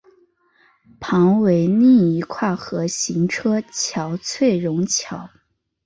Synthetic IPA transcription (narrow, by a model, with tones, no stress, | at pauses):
pʰɑ˧˥ŋwe˧˥ɪni˥˩i˧˥kʰwa˥˩xɤ˧˥ɕi˧˥ŋʈ͡ʂʰɤ˥t͡ɕʰjɑ˧˥ʊt͡sʰwe˥˩ɪɻʊ˧˥ŋt͡ɕʰjɑ˧˥ʊ